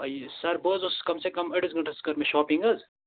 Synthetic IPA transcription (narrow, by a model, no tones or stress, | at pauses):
ɐjsɐɾbəːzʊskɐmsekɐmɐʈizɡɐɳʈɐskɐɾmeʃɔːpĩŋɡɐz